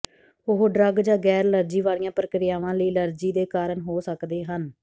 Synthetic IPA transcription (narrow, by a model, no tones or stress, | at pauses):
ʊɦɖɾəɡd͡ʒãːɡɛːɾləɾd͡ʒiːʋaːɽijãːpəɾəkɾɪjaːʋãːləiːləɾd͡ʒiːd̪eːkaːɾəɳɦoːsəkd̪eːɦən